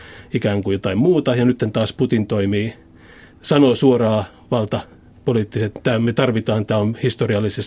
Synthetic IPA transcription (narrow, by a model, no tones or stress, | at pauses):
ikæːŋkujot̪ɑimmuːt̪ɑjɑnyt̪ːent̪ɑːsput̪int̪oimiː | sɑnosuorɑː | ʋɑlt̪ɑ | poliːˑt̪ːiset̪t̪æmet̪ɑrʋit̪ɑːnt̪æonhist̪oriɑlːˑises